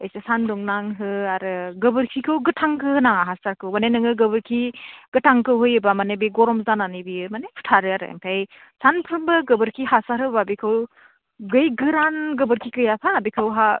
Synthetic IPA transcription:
ejsesandɔŋnaŋɦɯaɾɯɡɯbɯɾkʰikʰɯwɡɯtʰaŋkʰɯɯnaŋaɦasaɾkʰɯwmanenɯŋɯɡɯbɯɾkʰiɡ̥ɯtʰaŋkɯwɦɯjɯbamanebeɡɔɾɔmzananibiɯmanepʰu̥tʰaɾɯaɾa̰ŋtʰaj | sanpʰɯɾmbɯɡɯbɯɾkʰiɦasaɾhɯbabikʰɯw | ɡɯjɡɯɾanɡɯbɯɾkʰikɯjapʰaːbikʰɯwɦa

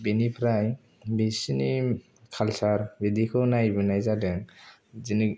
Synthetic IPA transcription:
binipʰɾaj | bisini | kʰalsaɾbid̪ikʰɯnajbɯnajzadɯŋ | zini

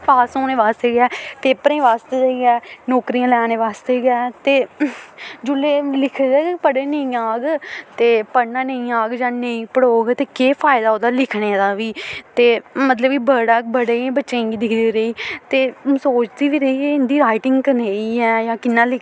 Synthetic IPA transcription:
paːsoːneːʋaːst̪eːɡɛːpeːpəɾẽĩːʋaːst̪eːɾeɡɛːnɔːkɾiːãːlɛːneːʋaːst̪eːɡɛːt̪eː | d͡ʒʊlːeːlɪkʰɡɛːpəɽeːnəĩːaːɡt̪eːpəɽnãːnəĩːaːɡd͡ʒãːnəĩːpəɽoːɡt̪eːkeːpʰaːɪd̪aːoːd̪aːlɪkʰneːd̪aːʋiːt̪eːmət̪ləbkibəɽaːbəɽeːibətːʃẽːɡiːd̪ɪkʰd̪iɾeiːt̪eːsoːt͡ʃd̪iːʋiːɾəiːeɪnd̪iːɾaːɪʈɪ̃ŋɡkəɾneiːɦɛːjãːkɪnːãːlɪk

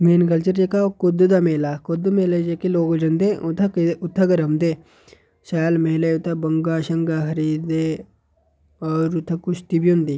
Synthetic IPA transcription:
meːnkɐlt͡ʃəɾd͡ʒekaokʊd̪d̪ameːlakʊd̪meːled͡ʒekeloːkd͡ʒɐnd̪et̪ʰʊt̪ʰːɐɡɐɾɐmd̪eː | ʃaːlmeɦleʊt̪ʰːabɐŋɡaːʃɐŋɡaɦɐɾid̪e | ɔːɾut̪ʰːɐkʊʃt̪ibiõnd̪iː

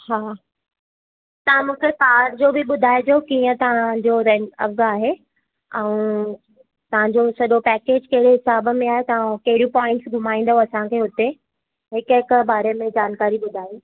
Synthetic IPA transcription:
haː | t̪ɐʋ̤ãmũːkʰepaːʈd͡ʑobʱɪɓʊd̪ʱaːɪd̪okiːə̃t̪ɐʋ̤ãd͡ʑoɾɛɐ̰ʋɡaːɦe | ɛ̃ũ | t̪ɐʋ̤ãɲd͡ʑosɐʄopɛːkeːd͡ʑkɐɦɪɽeɦɪsaːbəmẽaːɦet̪ɐʋ̤ãkɐɦɪɾiũpɔːɪ̃ɳʈsɡʱʊm̤aːĩːn̆d̪õɐsãkʰeːɦʊt̪e | ɦɪkɦɪkbaːɾemẽd͡ʑaːnkaːɾiɓʊd̪ʱaːiː

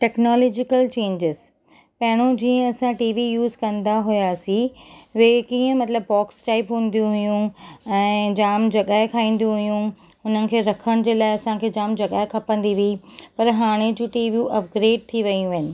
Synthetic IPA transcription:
ʈɛːknɔːlɔːd͡ʑɪkəlt͡ɕẽːɲd͡ʑɪz | pɐɦɪɽ̃õd͡ʑiːə̃ɐsãʈiːʋijuːzkɐ̃nd̪aɦʊjaːsiʋekiːə̃mɐt̪ləbpɔːksʈaɪpɦũːnd̪ijũɦʊjũɛ̃ːd͡ʑaːmd͡ʑɐɠaːɪkʰaːĩːn̆d̪jũɦʊjũ | ʊn̤ənɪ̆kʰeːɾɐkʰəɽ̃d͡ʑeːlaːɪɐsãkʰeːd͡ʑaːmd͡ʑɐɠaːɪkʰɐpə̃nd̪iʋipɐɾɦaːɽ̃ed͡ʑũːʈiːʋijuʔɐp̚ɡɾeːɖ̚t̪ʰiʋɐiũʋɐɪnɪ̆

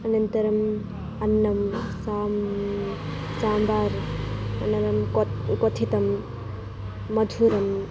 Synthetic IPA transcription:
ɐnɐnt̪ɐɾɐm | ɐnːɐmsam | t͡ʃambaɾɐnɐɾɐmkɔkɔt̪ʰit̪ɐm | ɐdʱuɾɐm

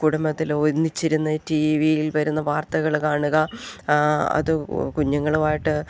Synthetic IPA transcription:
kuɽɐmɐðiloɾnːit͡ɕːiɾunːɐtiʋijilʋɐɾunːɐʋaːrt̪ɐɣɐɭkaːɳuɣɐ | ɐ̰ðɨkuɲːɐŋːɐɭumaːjiʈːɨ

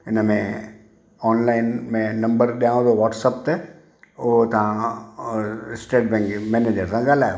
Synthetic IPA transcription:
ɪnəmẽ | ɔːnlaːɪnmẽnɐ̃mbəɾɗijãũd̪oʋɔːʈsəp̚t̪e | ʊɦt̪ɐʋ̤ã | ɪsʈeːʈ̚bɛ̃ːŋkmɛːned͡ʑəɾsãɡaːlaːɦjo

